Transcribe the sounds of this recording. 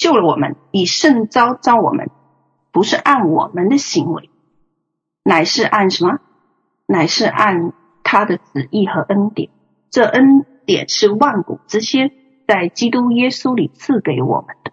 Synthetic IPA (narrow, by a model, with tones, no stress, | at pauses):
t͡ɕjo˥˩ʊlə˩wɔ˨˩mə̰˧˦ni˨˩ʂə˥˩ŋt͡sɑ˥ʊt͡sɑ˥ʊwɔ̰˨˩mʔə̰˦n | pu˧˥ʂɻ̩˥˧ʔa˥˩nwɔ̰˨˩mə˦nd̪ə˨ɕi˧˥ŋwḛ˧˥ɪ | na˨˩ɪʂɻ̩˥˧ʔa˥˩nʂə˧˥nmə˧ | na˨˩ɪʂɻ̩˥˧ʔa˥˩n | t̪ʰa˥d̪ə˨t͡sɹ̩˨˩i˥˩xɤ˧˥ʔə˥nt̪jɛ̰˨˩˦n | ʈ͡ʂɤ˥˩ʔə˥nt̪jɛ̰˨˩nʂɻ̩˥˧wa˥˩nkṵ˨˩ʈ͡ʂɻ̩˥˧ɕjɛ˥ | t͡sa˥˩ɪt͡ɕi˥t̪u˥jɛ˥su˥li˨˩t͡sʰɹ̩˥˩ke˧˥ɪwɔ̰˨˩mə˦nd̪̥ə˧